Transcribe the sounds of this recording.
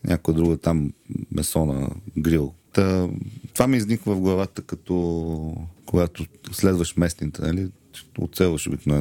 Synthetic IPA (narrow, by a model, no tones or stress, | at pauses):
nʲʔakʊjəd̪ɾuɡt̪ammɛsɔnə̰ɡɾilˠt̪ət̪ovamiːznʲikvəvɡlˠɐvat̪əkɐt̪ɔ | koɡat̪oslɛd̪vəʃmɛsnit̪ənəli | o̰t̪sɛlˠvəʃobik̪noɛ